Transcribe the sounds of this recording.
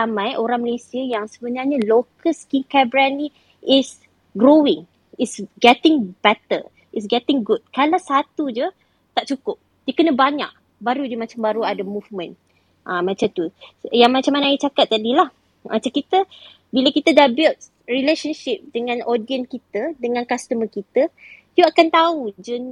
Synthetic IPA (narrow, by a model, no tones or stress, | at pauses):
amãjʔoɾaŋməlesiəjaŋsəbənarɲalokəskiŋkɛbɾani | ɪs | ɡɾowɪ̃ŋ | itsɡɛt̪ɪ̃ŋbɛt̪ə̰ | its̬ɡɛt̪ɪŋɡud̚kalasat̪ud͡ʒə | t̪aʔt͡ʃukʊp̚ | dəkənə̃baɲa̰k̚ | baɾud͡ʒəmat͡ʃambaɾuadamuvmə̃n | ʔamat͡ʃant̪ujaŋmãt͡ʃamːanãajit͡ʃakat̪̚ːadilah | mat͡ʃamkit̪ə | bilakit̪ədabɛlt̪̚ | ɹileʃənʃɪp̚dəŋãnodiənkit̪ədəŋãnkast̪əməkit̪ə | juakant̪aud͡ʒən